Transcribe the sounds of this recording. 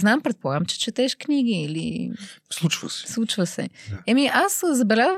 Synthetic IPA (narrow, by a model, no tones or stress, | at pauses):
znampɾɛt̪̚pɔɾamt͡ʃɛ̥t͡ʃət̪ɛʃknʲiɡiilislut͡ʃʋɐ̰sɛ̥sut͡ʃʋasɛ̰ɛmiʔaszɐbɛlaz